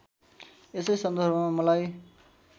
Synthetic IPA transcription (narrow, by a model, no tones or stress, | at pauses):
esʌjsʌnd̪ʱʌrbʱʌmamʌlaj